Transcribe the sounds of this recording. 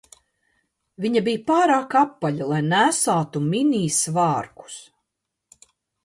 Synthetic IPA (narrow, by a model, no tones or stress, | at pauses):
viɲabijpaːɾaːkapːaʎalˠajnæsaːt̪uminʲiːsvɑːɾku̥s